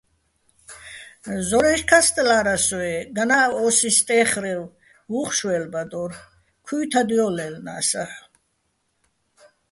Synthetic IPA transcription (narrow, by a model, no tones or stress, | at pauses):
zɔɾɛʃkʰast̪ʼlaɾasɔɛɡanaːwɔsist̪ʼɛχɾɛl | uχʃwɛlbad̪ɔɾ | kʰuːt̪ʰad̪iɔlɛlna̰sa